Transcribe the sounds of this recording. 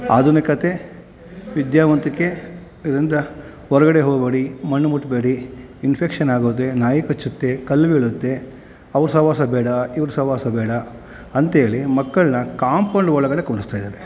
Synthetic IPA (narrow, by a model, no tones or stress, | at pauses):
a̰ːd̪unɐkɐt̪ʰe̞ | ʋid̪jaːʋɐnt̪ikːe | id̪ɾind̪ɐ | ɔɾɐɡɐɽeɦoɡbɐɽimɐɳːumuʈbeːɽiːnpʰekʂɐnaːɡut̪̬ːenaːjikɐt͡ʃːut̪ːe̞kɐlːʋeːɭut̪ːe | ɐʋɐɾusɐʋaːsɐbɛːɽɐiʋɐɾusɐʋaːsɐbɛːɽɐ | ɐnt̪eːɭimɐkːɐɭnɐkaːmpɐɳɖɔɭɐɡɐɽekuɳɖust̪aːjd̪aːɾe